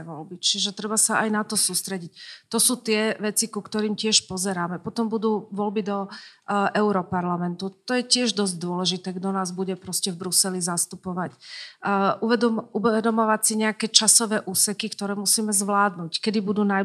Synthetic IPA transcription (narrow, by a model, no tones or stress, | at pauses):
ʋɔlbit͡ʃiʒɛt̪ɾɛbasaajnat̪ɔsuːst̪ɾɛɟict̪ɔsuːt̪ɪɛʋɛt͡sikukt̪ɔɾiːmcɪɛʃpɔzɛɾaːmɛpɔt̪ɔmbud̪uːʋɔlbid̪ɔʔɛʊɾɔpaɾlamɛnt̪ut̪ɔjɛcɪɛʒd̪ɔzɟd̪ʊɔlɛʒit̪ɛːɡd̪ɔnaːzbuɟɛpɾɔscɛvbɾusɛlizast̪upɔʋac | uɛd̪uɛd̪ɔmɔʋacsiɲɛakɛːt͡ʃasɔʋɛːʔuːsɛkikt̪ɔɾɛːmusiːmɛzʋlaːd̪nuːckɛd̪ibud̪uːna